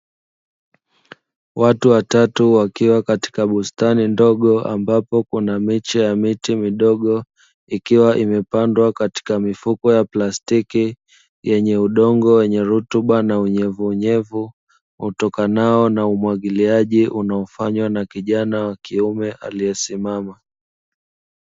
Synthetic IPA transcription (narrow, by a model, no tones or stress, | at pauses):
watuwatatuwakiwakati̥kaɓustanindɔɠɔa̰mbapɔkunamit͡ʃɛjamitimiɗɔɠɔ | ikiwaʔimɛpandwakati̥kamifukɔjaplastiki | jɛɲɛuɗɔŋɡɔwɛɲɛɾutuɓanauɲɛvuːɲɛvu | utɔkanaɔnaumwaɠiliaʄiʔunaɔfaɲwanakiʄanawakiumɛʔaliɛsimama